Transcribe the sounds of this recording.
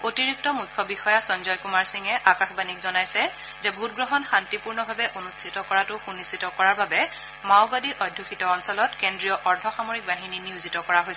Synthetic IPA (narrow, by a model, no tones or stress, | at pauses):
otiɹik̚tɔmujkʰːɔbixɔjasɔnzɔjkumaɹsiŋɛʔakaxbanikzɔnajsɛ | zɛbʱut̚ɡɹɔɦɔnxantipuɹnɔbʱabɛʔonustʰitɔkɔɹatʊxunistʰitɔkɔɹaɹbabɛ | maʊbadiʔɔdʱːuxʰitɔːnsɔlɔtkendɹijɔʔɔɹdʰʱɔxamoɹik̚baɦininiuzitɔkɔɹaɦojsɛ